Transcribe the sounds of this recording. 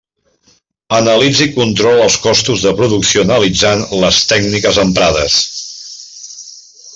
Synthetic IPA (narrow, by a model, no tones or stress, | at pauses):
ənəlid͡zikunt̪ɾɔlˠəlˠskɔst̪uzðəpɾuðuksionəlid͡zanləst̪ɛɡnikəzəmpɾaðə̰s